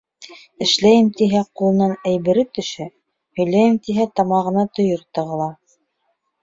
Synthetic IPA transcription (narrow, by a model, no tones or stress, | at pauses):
ɘ̆ʃlæjɘmt̪iɦæqulˠɤ̆nɑnæjβɘ̆ɾɘt̪ɵ̆ʃæ | hɵ̆jlæjɘmt̪iɦæt̪ɑmɑʁɤ̆nɑt̪ŏjɤɾt̪ɤ̆ʁɤ̆lˠɑ